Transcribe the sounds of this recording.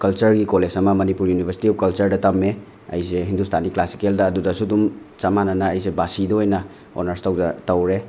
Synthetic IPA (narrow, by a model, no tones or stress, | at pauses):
kɐlt͡ʃɐɾɡikoled͡ʒɐmɐmɐnipuɾjunibʱɐɾsi̥tiup̚kɐlt͡ʃɐɾdɐtɐmːe | ɐ̰jseɦindustʰaniklasi̥keldɐːdudɐsudum | t͡ʃɐmanɐnɐːjsebasidoojnɐ | o̰nɐɾstɐwzɐtɐwɾe